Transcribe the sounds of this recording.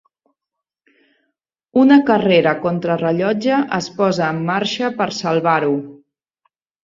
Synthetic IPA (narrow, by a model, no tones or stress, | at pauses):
unəkəreɾəkɔnt̪ɾərəʎɔd͡ʒəʔəspɔzəːmːaɾʃəpəɾsəlˠβaɾu